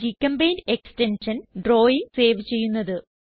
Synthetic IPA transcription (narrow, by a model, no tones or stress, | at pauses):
d͡ʑikːɐmbɐjnekstenʂɐnɖroːjise̞ːʋɨt͡ɕe̞jːunːɐðɨ